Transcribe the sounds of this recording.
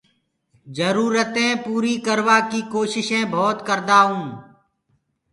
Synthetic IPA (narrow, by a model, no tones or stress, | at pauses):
d͡ʒəɾuːɾət̪ẽːpuːɾiːkəɾʋaːkiːkoːʃɪʃẽːbʱoːt̪kəɾd̪aːũː